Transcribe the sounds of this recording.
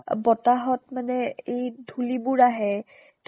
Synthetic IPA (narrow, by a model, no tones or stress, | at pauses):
bɔtaɦɔtmanɛejdʱulibʊɹaɦɛ | t